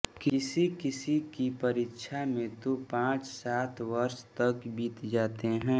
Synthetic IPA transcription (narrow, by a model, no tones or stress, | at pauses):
kɪsikɪsikipɐɾiːkːʃʰamẽt̪opãːt͡ʃsaːt̪ʰʋəɾʃt̪ɐkbʱiːt̪d͡ʒaːt̪eɦɛ̃ː